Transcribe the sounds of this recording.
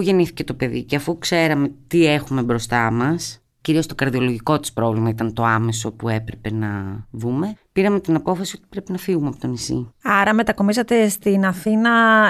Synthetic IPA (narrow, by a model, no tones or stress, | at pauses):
uʝe̞niθi̥ce̞t̪o̞pe̞ðḭceɐfukse̞ɾɐme̞t̪ie̞xume̞bɾo̞st̪ɐmɐs | ciɾiost̪o̞kɐɾðio̞lo̞ʝiko̞t̪i̥spɾo̞vlimɐit̪ɐnt̪o̞ɐme̞so̞pue̞pɾepe̞nɐvume̞piɾɐme̞t̪inɐpo̞fɐsio̞t̪i̥pɾe̞pinɐfiɣumeɐpot̪o̞nisḭɐɾɐme̞t̪ɐko̞misɐt̪e̞st̪inɐθinɐ